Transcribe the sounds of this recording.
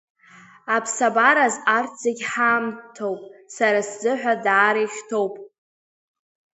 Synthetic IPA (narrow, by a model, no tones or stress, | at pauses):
apʰsabaɾazarʰt͡sʼeɡʲħaːmtʰowpʼsaɾaszɨħᶣʷadaːɾejχʲtʰo̞wpʼ